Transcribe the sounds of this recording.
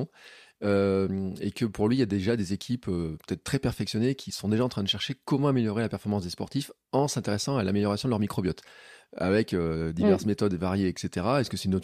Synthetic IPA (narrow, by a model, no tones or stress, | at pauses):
øḛkəpuʁlɥijad̪eʒad̪ezekʲʰipøpø̥t̪ɛt̪̚t̪ːχɛpɛʁfɛksjɔnekʲʰisɔ̃d̪eʒaɑ̃t̪χɛ̃d̪əʃɛʁʃekɔmɑ̃ameljɔʁelapɛʁfɔʁmɑ̃sd̪espɔʁt̪if | ɑ̃sɛ̃t̪eʁɛsɑ̃alameljɔʁasjɔ̃d̪əlœʁmikχɔbjɔt̪a̰vɛkød̪ivɛʁsmet̪ɔd̪vaʁjeɛkset̪eʁaɛskəsɛynot̪